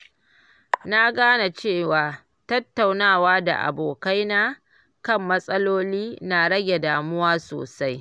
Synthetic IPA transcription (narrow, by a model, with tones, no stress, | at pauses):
na˦ɡaː˦na˨t͡ʃeː˦˨waː˨ | tɐ˦tːa˨wnaː˦˨waː˦da̰˨ʔa̰˨boː˨ka˦jnaː˦ | kɐ˦˨mːɐ˦sʼɐ˦loː˦liː˦na˨ɽɐ˦ɡʲe˨daː˨mʊ˦waː˦so̰ː˨sa˦j